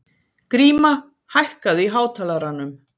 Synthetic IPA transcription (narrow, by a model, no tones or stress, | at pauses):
kɾiːma | hajhkaðiɦaːwt̪ʰaːlaɾanːʏm